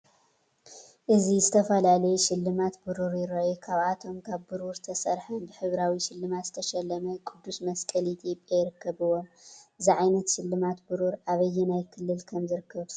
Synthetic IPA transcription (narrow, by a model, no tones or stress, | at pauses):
ʔɨzizɨt̪ʰɐfɐlalɐjuʃɪlːɨmat̪bɨɾuɾjɪɾɐʔokʰaβʔat̪ʰo̞mkʰaβbɨɾuɾt̪ʰɐsɐɾħɐnbɨħɨβɾawiʃɪlːɨmat̪zɨt̪ʰɐʃɛlːɐmɐkʼɨd̪ːusmɐskʼɐlit̪ʰjopʼjajɪɾɨkʰːɐβɨwonʔɨziʕajnɐt̪ʃɪlːɨmat̪bɨɾuɾʔaβɐjːɛnajkʰɨlːɨlkʰɐmzɨɾɨkʰːɐβ